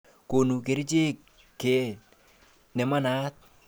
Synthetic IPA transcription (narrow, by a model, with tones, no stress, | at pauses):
ko˨nu˨ke˨ɾi˦t͡ʃe˦kː | e˨ | nɛ˨ma˦na˦t̪̚